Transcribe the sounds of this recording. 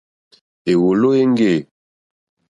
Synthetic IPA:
e˨wo˨lo˦e˦ŋ˦ɡe˦˨

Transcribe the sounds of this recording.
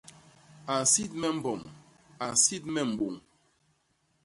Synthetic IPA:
a˨si˦t̚mɛ˦m̩˨bɔ˨m | a˨si˦t̚mɛ˦˨m̩˨bo˨ŋ

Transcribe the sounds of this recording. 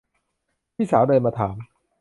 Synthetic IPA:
t̪ʰiː˥˩saː˩˦wdɤː˧nmaː˧t̪ʰaː˩˦m

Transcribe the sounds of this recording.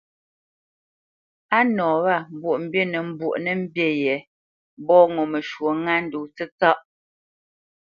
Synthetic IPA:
a˦nɔː˨βa˦˨m̩˨bwo˨ʔm̩˦bje˦˨nə˨m̩˦bwu˨ʔnə˦m̩˦bje˦jɛ˨˦ | bɔː˦ŋo˨mə˨ʃwo˨ŋa˦n̩˦du˨t͡sə˦t͡sa˦ʔ

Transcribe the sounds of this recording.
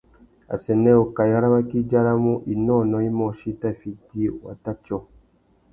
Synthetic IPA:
a̰˨sɛ˨nɛ˦o˨ka˨ja˦ɾa˦ma˦ki˦d͡ʒa˦ɾa˦mũ˦ʔi˨nɔ̃˦˨nɔ̃˨i˦mɔ̃˨ʃi˦ta˦˨fi˨di˦˨wa̰˨ta˦t͡ʃɔ˦˨

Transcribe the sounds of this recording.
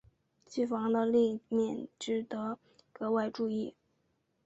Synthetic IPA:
t͡ɕi˥˩fɑ˧˥ŋd̪ə˧li˥˧mjɛ˥˩nʈ͡ʂɻ̩˧˥t̪ɤ˧˥ | kɤ˧˥wa˥˧ɪʈ͡ʂu˥˧i˥˩

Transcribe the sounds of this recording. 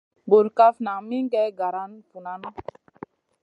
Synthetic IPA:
bu˨ɾka˦fna˨mi˦ŋ˦ɡɛ˦ɡa˨ɾa˦npu˨na˦nɔ˦

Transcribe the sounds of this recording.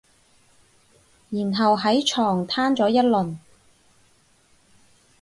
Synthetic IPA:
jiː˨˩nɦɐ˨wɦɐ˨˥jt͡ʃʰɔː˨˩ŋt̪ʰaː˥nt͡sɔː˨˥jɐ˥t̚lɵ˨˩n

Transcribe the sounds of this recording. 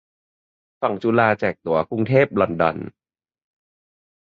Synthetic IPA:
fa˨˩ŋt͡ɕuː˧laː˧t͡ɕɛː˨˩k̚t̪u˩˦ɐku˧ŋt̪ʰeː˥˩p̚lɔ˨˧˩ndɔ̰˧n

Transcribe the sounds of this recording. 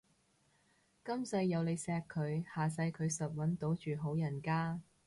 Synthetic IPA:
kɐ˥msɐ˧jːɐ˨˧wle˨˧jsɛː˧kʰːɵ˨˧ɥhaː˨s̬ɐ˧jkʰɵ˨˧ɥsɐ˨t̚wɐ˨˥nt̪o˨˥wt͡ʃyː˨ɦo˨˥wjɐ˨˩nkaː˥

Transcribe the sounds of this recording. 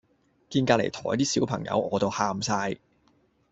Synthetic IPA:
kiː˧nkaː˧lḛ˨˩jt̪ʰɔː˨˩jt̪iː˥siː˨˥wpʰɐ˨˩ŋjɐ̰˨˧wɔː˨˧t̪o˨˧whaː˧msaː˧j

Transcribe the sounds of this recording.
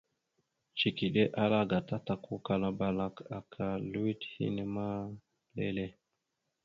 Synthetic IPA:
t͡ʃi˨ki˨ɗe˦ʔa˦la˦ɡa˨ta˦ta˨ku˦ka˨la˦ba˨la˦ka˨kʰa˨lu˦i˦thḭ˦ne˦ma˦ | le˦le˦

